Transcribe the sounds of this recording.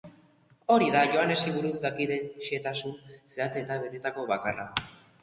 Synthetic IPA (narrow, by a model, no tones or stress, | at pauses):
o̞ɾiðaʝo̞ane̞siβuɾut͡sd̪akiðe̞nʃie̞t̪asunse̞at͡seːt̪aβe̞ne̞t̪ako̞βakara̰